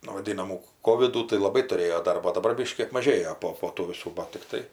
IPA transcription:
nʊ ʋɐˈdʲiːnɐmuː ˈkoːʋʲɪduː tɐɪ lˠɐˈbɐɪ tʊˈrʲeːjoː ˈdɐrboː oː dɐˈbɐr ˈbʲɪʃʲkʲiː ɐpmɐˈʒʲeːjoː ˈpoː poː ˈtuː ʋʲɪˈsuː ˈbɐt tʲɪkˈtɐɪ

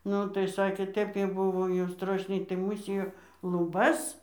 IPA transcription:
ˈnʊ tɐɪ ˈsɑːkʲeː ˈtʲɛp kɐɪ ˈbʊʋoː jɛʊ ˈstroːʃʲnʲɛɪ tɐɪ ˈmuːsʲɪjoː lˠʊˈbɐs

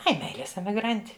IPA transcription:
ˈɐɪ ˈmʲɛɪlʲeːs ɛmʲɪˈɡrɐnʲtʲɪ

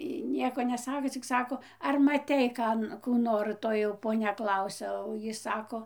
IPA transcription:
ˈjiː ˈnʲiɛkoː nʲɛˈsɑːkoː t͡sʲɪk ˈsɑːkoː ɐr mɐˈtʲɛɪ ˈkɐn kuː ˈnoːr ˈtoːj jɛʊ poːˈnʲɛ ˈklˠɐʊsʲɛ oː ˈjiː ˈsɑːkoː

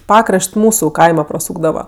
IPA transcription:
ˈpɑːkrɐʃʲtʲ ˈmuːsʊ ˈkɐɪmɐ prɐˈsuːɡdɐʋɐ

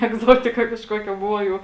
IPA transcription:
ɛɡˈzoːtʲɪkɐ kɐʃˈkoːkʲɛ ˈbʊʋoː jɛʊ

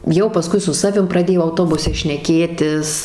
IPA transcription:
jɛʊ pɐˈskʊɪ sʊ ˈsɑːʋʲɪm prɐˈdʲeːjoː ɐʊˈtoːbʊsʲɛ ʃʲnʲɛˈkʲeːtʲɪs

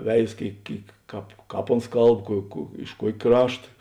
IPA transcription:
ˈʋʲɛɪs ˈkʲeːɪk ˈkʲeːɪk ˈkɑːp ˈkɑːp ˈoːns ˈkɐlˠp kuɔ kuɔ ɪʃ ˈkuɔkʲ ˈkrɑːʃtɐ

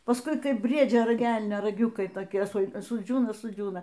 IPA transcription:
pɐsˈkʊɪ ˈkɐɪp ˈbʲrʲiɛd͡ʒʲoː ˈrɐk ˈɛlʲnʲoː rɐˈɡʲʊkɐɪ toːˈkʲiɛ sʊ sʊˈd͡ʒʲuːnɐ sʊˈd͡ʒʲuːnɐ

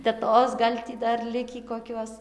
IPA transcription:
tʲɛˈtoːs ɡɐlʲ ˈtʲiː ˈdɐr ˈlʲɪkʲiː koːˈkʲuɔs

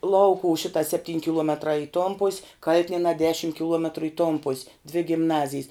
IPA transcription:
ˈlˠɐʊkʊw ˈʃʲɪtɐ sʲɛpʲˈtʲiːnʲ kʲɪˈlˠuɔmʲɛtrɑː ɪ toːn pʊsʲ ˈkɐlʲtʲɪnʲiɛnɑː ˈdʲæːʃʲɪm kʲɪˈlˠuɔmʲɛtrʊ ɪ toːn pʊsʲ dʲʋʲɪ ɡʲɪmˈnɑːzʲɪjs

